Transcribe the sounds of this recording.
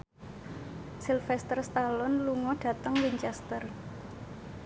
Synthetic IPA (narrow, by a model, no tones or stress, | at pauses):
silfɛst̪ərst̪alɔnluŋɔɖ̥ä̤t̪əŋwiɲt͡ʃɛst̪ər